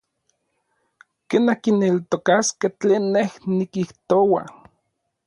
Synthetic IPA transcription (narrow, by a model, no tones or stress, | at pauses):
kenakinelt̪okaskeht͡ɬeːnːehnikiht̪owa̰